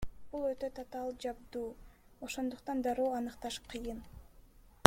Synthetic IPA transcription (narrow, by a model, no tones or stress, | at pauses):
b̥ulˠøt̪ø̞t̪ʰot̪ɑlˠd͡ʒɑb̚d̪uːo̞ʃo̞nd̪uqt̪ɑnd̪ɑɾoːɑnɯqt̪ɑʃqʰɯjɯn